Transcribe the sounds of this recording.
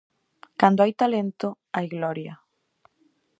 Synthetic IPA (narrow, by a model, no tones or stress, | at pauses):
kand̪oajt̪alent̪ʊ | ajɣlɔɾjɐ